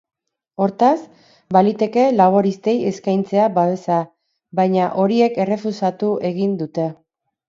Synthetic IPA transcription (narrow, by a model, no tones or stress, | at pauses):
o̞ɾt̪as | balit̪e̞ke̞laβo̞ɾist̪e̞je̞skajnt͡se̞abaβe̞sa | bajɲaʔo̞ɾie̞ke̞re̞fusat̪ue̞ɣ̞ind̪ut̪e̞